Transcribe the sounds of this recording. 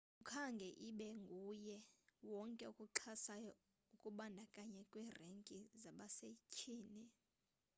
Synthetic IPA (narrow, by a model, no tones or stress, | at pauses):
ukʰaŋɡʱɛʔiɓɛŋɡʱujɛwɔŋkʼɛukʼuǁʰasajɔ | ukʼuɓandʱakʼaɲɛkʼwiːreŋkʼizaɓasecʰiːni